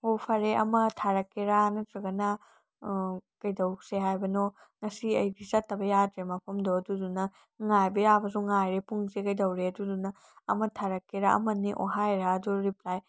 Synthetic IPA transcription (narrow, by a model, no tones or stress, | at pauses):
opʰɐɾeʔɐ̰mɐtʰaɾɐkːeɾanɐt̪ɾɐɡɐnɐ | kɐjdɐwseɦajbɐno | ŋɐsiɐjɡisɐtːɐbɐjatɾemɐpʰɐmdoɐdudunɐ | ŋajbijabɐs̬uŋajɾepuŋzekɐjdɐwɾeɐdudunɐ | ɐ̰mɐtʰaɾɐkːeɾaʔɐ̰mɐniʔo̰ɦajɾaːduɾiplaj